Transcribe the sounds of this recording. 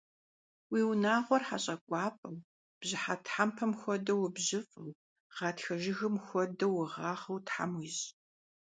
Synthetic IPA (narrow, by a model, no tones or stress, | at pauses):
wiːwnaːʁʷɔrħa̰ɕʼɐkʷʼɑːpʼɐw | b̥ʑɪħatħampʰɐmxʷɔdɐwbʑɪfʼɨw | ʁ̥ɑːtxɐʒɪɣɨmxʷɔdɐwʊʁɑːχɐwtħa̰mwiɕʼ